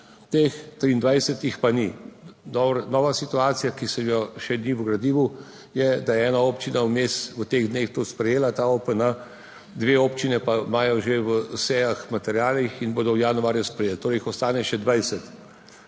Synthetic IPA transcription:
t̪ext̪ɾiːnd̪ʋajsɛt̪ixpaninɔbɾnɔːʋasit̪uaːt̪sijakisɛmjɔʃɛniwɡɾɐd̪iːʋu | jɛd̪ajɛɛːnaoːpt͡ʃinawmeːsʋət̪eːɣd̪neːxt̪ospɾɛjeːlat̪aopəna | d̪ʋeoːpt͡ʃinɛpamaːjɔʒewəsɛjaxmat̪ɛɾjaːlixinboːd̪ɔwjaːnuaːɾjɛspɾɛjeːlt̪oːɾɛjxɔst̪aːnɛʃɛd̪ʋajsɛt̪

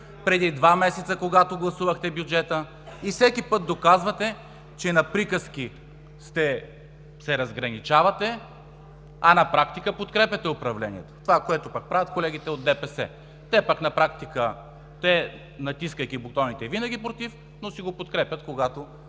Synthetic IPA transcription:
pɾɛd̪id̪vamɛsɛt̪səkoɡat̪oɡlˠɐsuvɐxt̪ɛbjud͡ʒɛt̪ə | ifsɛkʲipɤt̪̚d̪okazvɐt̪ɛ | t͡ʃɛnɐpɾikəsk̟ʲi | st̪ɛ | sɛɾɐzɡɾɐnit͡ʃavɐt̪ɛ | ɐnɐpɾakt̪ikəpot̪kɾɛpʲjɐt̪ɛopɾɐvlɛnʲiɛt̪o̥t̪ovakoɛt̪opɐk̚pɾavʲɐət̪̚kolɛɡ̟it̪ɛod̪ːɛpɛsɛ̰ | t̪ɛpɐknɐpɾak̚t̪ikə | t̪ɛ | nɐt̪iskəjkʲibok̚t̪ɔnit̪ɛvinəɡ̟ʲipɾot̪if | nosiɡopot̪kɾɛpʲɐt̪̚koɡat̪o

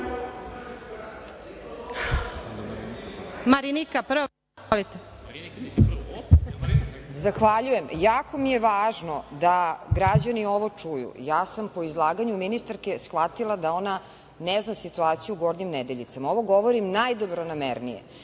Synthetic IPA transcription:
maɾinikapro | lit̪e | zaxʋaʎujemjaːko̞mije̞ʋaːʒnod̪aɡɾad͡ʑanio̞ʋo̞t͡ʂujṵjaːsampo̞izlˠaːɡaɲuminist̪aɾke̞sxʋat̪ilˠad̪ao̞na | neznasit̪uaːt̪sijuɡo̞d̪ɲimnɛd̪e̞ʎit̪samaoʋo̞ɡo̞ʋoɾimnajd̪obɾonamḛɾnḭjḛ

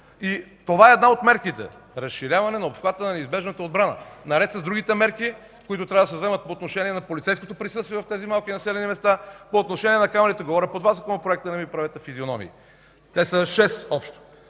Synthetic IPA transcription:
it̪ovaɛːd̪naot̪mɛɾkit̪ɛ̰ | ɾɐsʃiɾʲavɐnɛnɐopfxlˠat̪ənɐnɛizbɛʒnət̪əod̪bɾanə̰nɐɾɛt̪sɐzd̪ɾuɡʲit̪ɛmɛɾki | koit̪ʊt̪ɾavɐd̪ɐsɛvzɛmət̪̚poot̪noʃɛniɛnɐpolit̪sɛjskot̪opɾisɤst̪viɛvɐft̪ɛzimalˠkinɐsɛlʲɛnimɛst̪apoːt̪noʃɛniɛnɐkamɛɾit̪ɛɡovɔɾʲəpod̪vasokonopɾoɛk̚t̪ənɛmipɾɐvɛt̪ɛfizionɔmḭː | t̪ɛsəʃɛsɔpʃt̪o̥

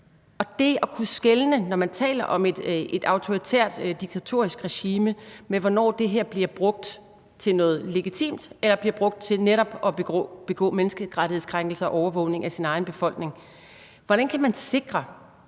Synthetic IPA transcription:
ɒ̽d̥e̝ɒ̽kʰusɡ̥elnənɒmænt͡sʰɛ̰ːlɐʔɒ̽me̝d̥e̝d̥ɑ̈ʊt͡sʰo̝ʁit͡sʰḛɐ̰d̥d̥iɡ̥̚t͡sʰæt͡sʰo̝ɐ̰isɡ̥ʁɛɕiːməmeʋɒnɒ̰ːd̥e̝ɦeɐ̰b̥liɐb̥ʁɔ̽ɡ̥̚d̥ | t͡sʰe̝lnɔ̽ːð̞̩ˠle̝ɡ̥it͡sʰḭːmd̥elɐb̥liɐb̥ʁɔ̽ɡ̥̚d̥̚t͡sʰe̝lneɾɒ̽b̥ɒ̰̽b̥e̝ɡ̥ɔ̰̽ːmenəsɡ̥əkʰʁɑ̈d̥ɾiheðˠskʰʁäŋɡ̥l̩səɒ̽ʔɒʊɐʋɔ̰̽ʊne̝ŋæsinɑ̈ɪnb̥e̝fɒ̽l̰ɡ̥ne̝ŋ | ʋɒɾ̥ænkʰæmænse̝ɡ̥ʁɐ

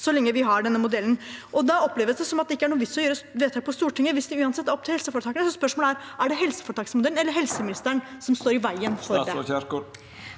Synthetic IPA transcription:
sɔlɛŋːəʋɪɦɑɖɛnːəmʊd̪ɛlːn̩ʔɔd̪ɑɔpːleːʋəsd̪ɛsɔmɑt̪̚d̪ɛɪkːəæɳuːʋɪsːɔjøːɾəʋeːt̪ʰɑːɡ̚pʰɔst̪uːʈɪŋːəʋɪsd̪ɪʉːɑnsɛt̪ːæɾɔp̚ːt̪ɪlhɛlsəfɔːɾət̪ɑːkənəsɔspœʂmoːlæɾ | æɖɛɦɛlsəfɔɾəʈ̪ɑːksmʊd̪ɛln̩ɛlːəɾɦɛlsəmɪnɪst̪əɳsɔmst̪oːɾɪʋæɪənfɔɾɛ

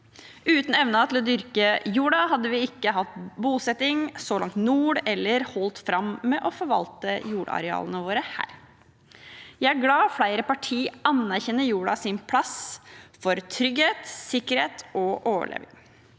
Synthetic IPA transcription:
ʉːt̪n̩ɛʋnət̪ʰɪlɔd̪ʏɾkəjuːɖɑɦɑd̪ːəʋɪɪkːəɦɑt̪buːsɛt̪ɪŋsɔlɑŋt̪nuːɖɛlːəɾhɔlt̪fɾɑmmɛʔɔfɔɾʋɑ̰lt̪əjuːɽɑ̰ɾɛɑ̰ːlənəʋoːɾəhæ̰ːɾ | jæɪæɾɡlɑːɔfɽæɪɾəpɑʈʰiːɑnːæɾçɛnːəjuːɖɑsɪnpʰlɑsfɔɾt̪ʰɾʏɡheːt̪sɪkːəɾheːt̪ɔʔoːʋə̰ɭḛːʋɪ̰ŋ

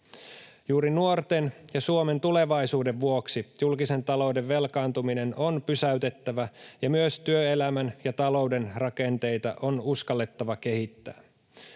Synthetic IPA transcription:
juːɾinuo̞rt̪enjɑsuome̞nt̪ule̞ʋɑjsuːde̞ʋʋuoksijulkise̞nt̪ɑlo̞ude̞ʋːe̞lkɑːnt̪umine̞nʔonpysæyt̪e̞t̪ːæʋæjɑmyøst̪yøelæmænjɑt̪ɑlo̞wde̞nrɑke̞nt̪e̞jt̪ɑ̰ʔonuskɑlːe̞t̪ːɑʋɑke̞ɦit̪ːæ̰ː

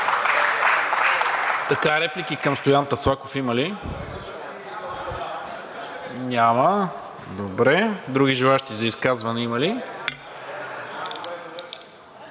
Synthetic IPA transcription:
t̪ɐkaɾɛplikikəmst̪ojant̪əslˠakofiməli | ɲʲamə | d̪obɾɛd̪ɾuɡiʒilˠaʃt̪izɐiskazvɐnɛiməli

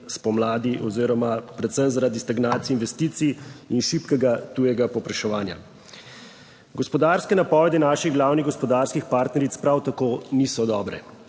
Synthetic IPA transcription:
spɔmlaːd̪iʔɔziːɾɔmapɾɛt̪səmzaɾad̪ist̪aɡnaːt̪siinʋɛst̪iːt̪siinʃipkɛɡat̪uːjɛɡapɔpɾɛʃɛʋaːnja̰ | ɡɔspɔd̪aːɾskɛnapɔːʋɛd̪ɛnaːʃiɣɡlaːwniɣɡɔspɔd̪aɾskixpaːɾt̪nɛɾit̪spɾawt̪akoːniːsɔd̪ɔːbɾɛ

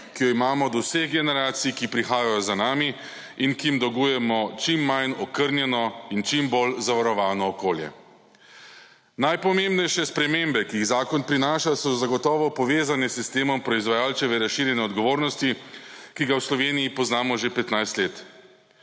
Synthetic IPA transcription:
kijɔimaːmɔd̪ɔwseɣɡɛnɛɾaːt̪sikipɾixaːjajɔzanaːmi | inkimd̪ɔɡuːjɛmɔt͡ʃimːajnɔkəɾnjɛnɔint͡ʃimbolzaʋaɾɔʋaːnɔːkoːljɛ̰ | najpɔmembnɛjʃɛspɾɛmembɛkiːɣzaːkɔnpɾinaːʃasɔzaɡɔt̪ɔːʋɔpɔʋeːzanɛsːist̪eːmɔmpɾɔizʋajaːlt͡ʃɛʋɛɾasʃiːɾjɛnɛɔd̪ɡɔʋoːɾnɔst̪ikiɡawslɔʋeːnijipɔznaːmɔʒepɛt̪najst̪leːt̪

